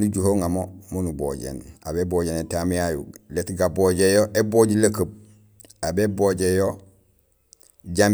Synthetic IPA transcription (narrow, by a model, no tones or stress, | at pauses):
nuɟuhoːŋamomunubo̰ːɟḛna̰beboːɟenetamjajṵletɡaboɟejoʔeboɟilakəb̚ | abeboːɟejo | ɟam